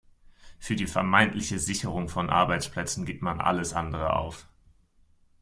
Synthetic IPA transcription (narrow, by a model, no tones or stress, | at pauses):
fyːɐdiːfɛɐmaɪntʰlɪçəzɪçəʁ̞ʊŋfɔnʔa̰ɐbaɪt͡spl̥ɛt͡sn̩ɡɪːp̚tmanʔa̰ləsʔa̰ndəʁ̞əʔa̰ʊf